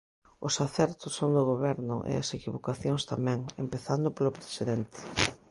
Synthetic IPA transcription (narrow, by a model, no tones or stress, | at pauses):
ʊsaθɛɾt̪ʊsːond̪ʊɣoβɛɾnʊ̰ʔḛa̰sekiβokaθjoŋst̪amɛ̃ŋempeθand̪ʊpolʊpɾe̥siðɛnt̪ɪ̥